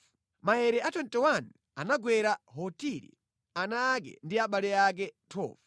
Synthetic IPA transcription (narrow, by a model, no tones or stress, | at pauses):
maɛɾɛatɔntɛwanu | anaɡwɛɾaɦɔtiɾḭ | anak̬ɛ̰ndiaɓalɛak̬ɛtʰɔ̰ːvu̥